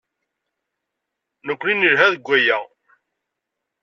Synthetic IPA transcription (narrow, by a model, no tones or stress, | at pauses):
nəkʷːlinəɾɦæðɡʷːæjæ